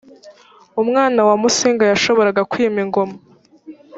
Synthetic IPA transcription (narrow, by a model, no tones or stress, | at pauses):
umŋaːnawamusiːŋɡajaʃo̞βo̞ɾaɡakwiːmiŋɡo̞ma